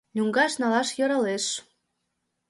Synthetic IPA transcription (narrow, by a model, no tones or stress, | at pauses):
nʲyŋɡɑʃnɑlɑʃjɤ̆ɾɑleʃ